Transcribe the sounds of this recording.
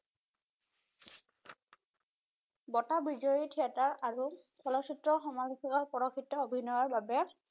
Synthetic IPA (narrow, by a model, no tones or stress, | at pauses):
bɔtabizɔjitʰiataɹaɹu | kʰɔlɔsitɹɔxɔmalukʰikaɹpɔɹɔkʰitːɔobʱinɔjaɹbabɛ